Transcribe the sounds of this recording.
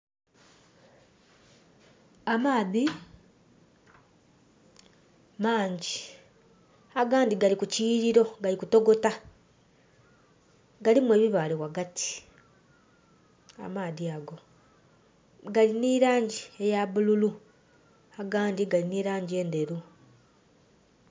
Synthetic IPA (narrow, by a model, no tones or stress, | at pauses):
amaːði | maːɲɟi | aɡaːndiɡalikuciːɾiɾo̞ɡalikuto̞ɡo̞ta | ɡalimwe̞ːβiβaːlewaɡatʰi̥ | a̰maːðiaɡo̞ | ɡaliniɾaːɲɟie̞jaβululu | aɡaːndiɡaliniːɾaːɲɟie̞ːnde̞ɾu